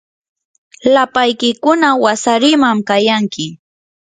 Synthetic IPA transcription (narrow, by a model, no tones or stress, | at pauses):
lapajkɪkʊnawasaɾɪmamkajaŋkɪ